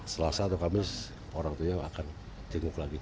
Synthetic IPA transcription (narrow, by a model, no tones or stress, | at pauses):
səlasaːt̪awkamɪs | oɾaŋt̪ujaa̰kan | t̪iŋʊklaɡi